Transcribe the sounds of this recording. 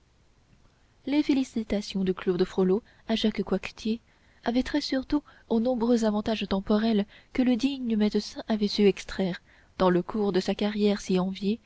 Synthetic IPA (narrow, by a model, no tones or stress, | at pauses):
lefelisit̪asjɔ̃d̪yklod̪əfχolo | aʒakkwakt̪ʰje | avɛt̪χɛsyʁt̪u | onɔ̃bʁøzavɑ̃t̪aʒt̪ɑ̃pɔʁɛlkələd̪iɲəmɛd̪əsɛ̃ʔavɛsyɛkst̪χɛʁ | d̪̥ɑ̃ləkʰuʁd̪əsakaʁjɛʁsiɑ̃vje